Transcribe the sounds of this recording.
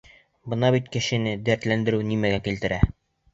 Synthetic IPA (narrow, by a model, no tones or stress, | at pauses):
bɤ̆nɑβbit̪kɘ̆ɕɘ̆nɘd̪æɾt̪lænd̪ɘ̆ɾɘwnimæɡækilt̪ɘ̆ɾæ